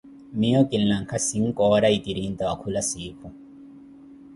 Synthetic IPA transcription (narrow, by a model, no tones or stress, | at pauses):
mijɔkʼɪlːɐŋkʰɐsiŋkʼɔːɾɐit̪iɾint̪ɐɐkʰʊlɐsiːkʰu